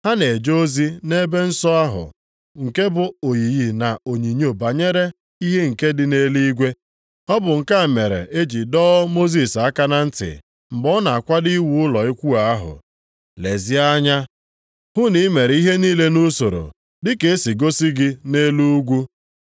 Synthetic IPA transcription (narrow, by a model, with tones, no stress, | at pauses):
ha˦ne˨e˨d͡ʒo˦zi˦ne˦be˦n̩˦sɔ˦a˦ɦʊ̰˨ | ŋ̩˨ke˦bʊ˨o˨ji˨ji˨na˨o˨ɲi˨ɲ˦o˨ba˨ɲe˦ɾe˦ | i˦ɦe˦ŋ̩˨ke˦dɪ˨ne˦li˦ɡʷe˦ | ɔ˦bʊ˨ŋ̩˨ka˦˨me˨ɾḛ˨ʔe˦d͡ʒi˨dɔː˦mo˦zi˨sa˦ka˦na˦n̩˦tɪ̰˨ | m̩˨bɔ˦na˨a˨kʷa˦di˦wu˦ʊ˦lɔ˨i˦kʷu˦a˨a˦ɦʊ̰˨ | le˨zi˦a˦ɲa˦ | hʊ˦ni˦me˨ɾi˦ɦe˦niː˦le˦nu˦so˨ɾo̰˨ | dɪ˦ke˨e˦si˨ɡo˦si˦ɡɪ˦ne˦lu˦u˦ɡʷu˦